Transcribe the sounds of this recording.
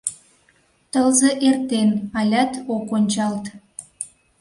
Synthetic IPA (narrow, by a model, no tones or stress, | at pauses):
t̪əlzeʔert̪enɑlʲæt̪okonʲt͡ɕɑlt̪